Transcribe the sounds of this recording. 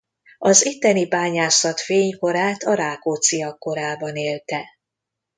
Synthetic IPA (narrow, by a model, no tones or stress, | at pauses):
ɒzit̪ːɛnibaːɲaːsɒt̪feːɲko̞ɾaːt̪ɒɾaːkot̪siɒkːo̞ɾaːbɒneːlt̪ɛ